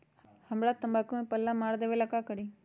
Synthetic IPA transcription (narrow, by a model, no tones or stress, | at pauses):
həmɽat̪əmbaːkumẽpəlːamaːɽd̪eʋelakakəɽi